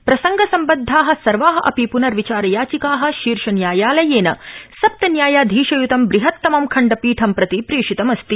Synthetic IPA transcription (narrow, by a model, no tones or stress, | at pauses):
pɾɐsɐŋɡɐsɐmbɐd̪ʱːaːɦɐ̆sɐɾʋaːɦɐ̆ʔɐpipunɐɾʋit͡ʃaːɾɐjaːt͡ʃikaːɦɐ̆ʃiːɾʂɐnjaːjaːlɐjeːnɐsɐp̚t̪ɐnjaːjaːd̪ʱiːʃɐjut̪ɐmbɾiɦɐt̪ːɐmɐmkʰɐɳɖɐpiːʈʰɐmpɾɐt̪ipɾiːʂit̪ɐmɐst̪i